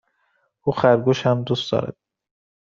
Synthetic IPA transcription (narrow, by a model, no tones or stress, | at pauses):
ʔuːxæɾɡoʃhæmd̪uːst̪d̪̥ɒ̰ːɾæ̰d̪̥̚